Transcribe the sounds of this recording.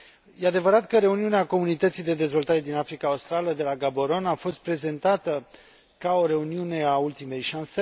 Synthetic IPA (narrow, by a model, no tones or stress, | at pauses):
jead̪e̞vəɾat̪kəɾe̞uniuneako̞munit̪ət̪sijd̪e̞d̪e̞zvo̞lt̪aɾe̞d̪inafɾikaust̪ɾaləd̪e̞laɡabo̞ɾo̞nafo̞st̪̚pɾe̞ze̞nt̪at̪ə | kao̞ɾe̞uniune̞ault̪ime̞jʃanse